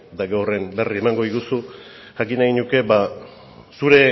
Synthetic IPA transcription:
t̪aɡawre̞mbe̞rie̞maŋɡo̞ðiɣusu | ʝakinaɣinuke̞ba | suɾe̞

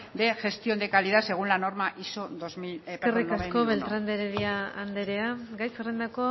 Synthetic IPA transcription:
d̪e̞ʝe̞st̪io̞nd̪ekaliðase̞ɣunlano̞ɾmaʔisod̪ozmiekerikasko̞βe̞lt̪ɾand̪eɾeðiaːnd̪e̞ɾe̞aɡajserend̪ako̞

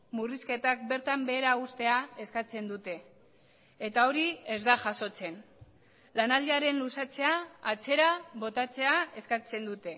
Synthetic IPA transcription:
muriske̞t̪ak̚be̞ɾt̪ambe̞ːɾaust̪e̞ae̞skat͡se̞nd̪ut̪e̞ː | t̪ao̞ɾiezd̪aʝaso̞t͡se̞n | lanald̪eaɾe̞nlusat͡se̞aːt͡se̞ɾaβo̞t̪at͡se̞ae̞skat͡se̞nd̪ut̪e̞

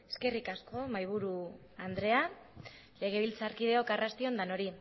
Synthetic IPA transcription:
eske̞rikasko̞majβ̞uɾu | and̪ɾe̞a | le̞ɣ̞e̞βilt͡saɾkið̞e̞o̞karast̪io̞nd̪ano̞ɾi

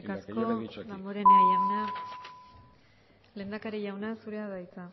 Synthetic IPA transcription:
kaskoðamboɾeneajawna | le̞nd̪akaɾiʝawnasuɾe̞aðajt͡sa

